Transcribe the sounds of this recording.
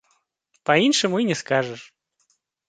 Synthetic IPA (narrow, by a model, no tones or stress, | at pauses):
pɐinʂɨmʊinʲɪskaʐɨʂ